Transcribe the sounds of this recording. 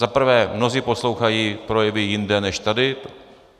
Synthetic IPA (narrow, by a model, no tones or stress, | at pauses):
zapr̩vɛːmno̞ziːpo̞slo̞wxajiːpɾo̞jɛvɪjɪndɛnɛʃt̪adɪ